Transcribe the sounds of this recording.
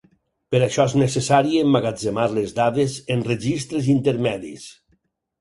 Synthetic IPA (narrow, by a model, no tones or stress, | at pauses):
peɾaʃɔeznesesaɾiemːaɣad͡zemaɾlezd̪aðezenreʒist̪ɾezint̪eɾmɛðḭs